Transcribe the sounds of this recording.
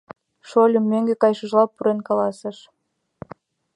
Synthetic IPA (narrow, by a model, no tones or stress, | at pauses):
ʃolʲəmːøŋɡekɑjʃə̆ʒlɑpːuɾenkɑlɑsə̆ʃ